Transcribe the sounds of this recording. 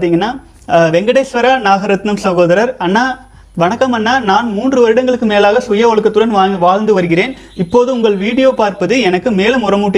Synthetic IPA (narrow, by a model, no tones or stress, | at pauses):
t̪iŋɡɐnːaː | ʋɛŋɡɐɽeːsʋɐɾanaːɣɐɾɐt̪nɐmsɐɣoːðɐɾɐɾɐnːaː | ʋɐnɐkːɐmɐnːaːnaːnmuːndrɯʋɐɾɪɽɐŋɡɐɭɯkːɯmeːlaːɣɐsʊjɐʋɔɭɯkːɐt̪ːɯɽɐnaʋaːɭnd̪ɯʋɐɾɯɣɪɾeːn | ɪpːoːðɯʊŋɡɐɭʋiːɽɪjoːpaːɾpɐðɯɛnɐkːɯmeːlɯmʊrɐmuːʈːɪ